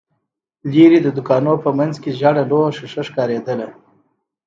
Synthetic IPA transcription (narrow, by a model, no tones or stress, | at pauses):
liɾid̪əd̪ʊkɑnopəmanzkeʒaɽaloʃɪʂəʃkɑɾed̪əla